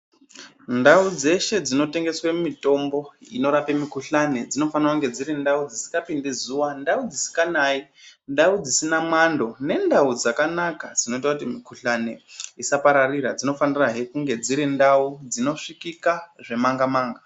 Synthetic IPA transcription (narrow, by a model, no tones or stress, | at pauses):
ndaud͡ze̞ʃe̞d͡zino̞te̞ŋɡe̞swe̞mumito̞mbo̞ḭno̞ɾapemikuɬane̞d͡zino̞fanirakuŋɡe̞d͡ziɾindaud͡zisi̥kapindezuwandaud͡zisi̥kanaindaud͡zisinamwando̞ne̞ndaud͡zakanakad͡zino̞itwakutimikuɬane̞isapaɾarirad͡zino̞faniraɦekuŋɡe̞d͡ziɾindaud͡zino̞ʂikikaʐe̞maŋɡamaːŋɡa